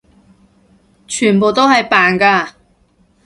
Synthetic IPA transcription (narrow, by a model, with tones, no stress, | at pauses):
t͡ʃʰyː˨˩npo˨wt̪o˥whɐ˨jpaː˨nkaː˧